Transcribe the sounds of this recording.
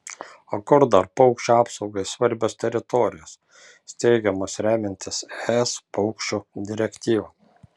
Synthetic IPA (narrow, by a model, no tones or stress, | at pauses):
okʊɾd̪ɐɾpɔʊkʃʲt͡ʃʲuɑːpsɒʊɡɐɪsʋɐɾʲbʲost̪ʲɛɾʲɪt̪ɔːɾʲɪjoːs | t̪ʲɛɪɡʲɛmoːsɾʲæːmʲɪnʲt̪ʲɪsɛspɔʊkʃʲt͡ʃʲud̪ʲɪɾʲɛkʲt̪ʲiːʋɐ